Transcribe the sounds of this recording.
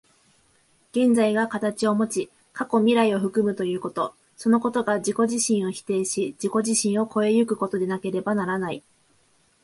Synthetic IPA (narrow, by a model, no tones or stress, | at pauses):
ɡ̥ẽ̞nd͡zaiɡakat̪at͡ɕio̞mo̞t͡ɕi | kako̞mʲiɾaio̞ɸɯ̟kɯ̟mɯ̟t̪o̞jɯ̟ːko̞t̪o̞ | so̞no̞ko̞t̪o̞ɡaʑiko̞ʑiɕĩɰ̃o̞çi̥t̪e̞ːɕid͡ʑiko̞ʑiɕĩɰ̃o̞ko̞e̞jɯ̟kɯ̟ko̞t̪o̞d̪e̞nake̞ɾe̞banaɾanai